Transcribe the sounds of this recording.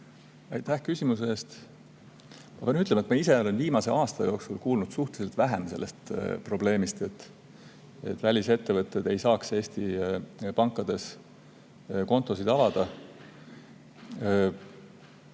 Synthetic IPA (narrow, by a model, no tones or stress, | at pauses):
ɑjt̪ːæhkysʲimuseːst̪ | mɑpenyt̪lemɑet̪mɑise̞o̞le̞nviːmɑse̞̰ʔɑːst̪ɑjo̞ksulkuːlnud̪̥suht̪eliselt̪væɦemse̞lːe̞st̪pro̞ble̞ːmist̪e̞t̪ː | e̞̰t̪ːˑvælʲise̞t̪ːe̞vɤt̪ːˑe̞d̪e̞jsɑːkse̞ːsʲt̪ipɑŋkːˑɑd̪̥e̞s | ko̞nt̪ːˑo̞sid̪̥ɑvɑd̪̥ɑ